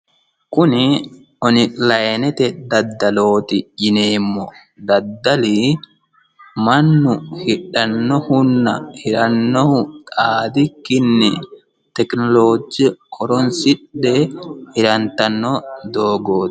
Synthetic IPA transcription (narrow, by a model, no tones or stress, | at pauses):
kʊnɪ | ɔnɪlɐjnɛt̪ɛd̪ɐd̪ːɐloːt̪ɪʔɪneːmːɔ | d̪ɐd̪ːɐli | mɐnːʊhɪɗːɐnːɔhʊnːɐhɪɾɐnːɔhʊt̪ʼaːd̪ɪkːɪnːɛ | t̪ɛknɔloːd͡ʒɛkʰɔɾɔnsɪɗːɛhɪɾɐnt̪ɐnːɔd̪oːɡoːt